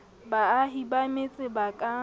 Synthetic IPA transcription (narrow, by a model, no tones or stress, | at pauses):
baːɦibamet͡sʼɪbakʼa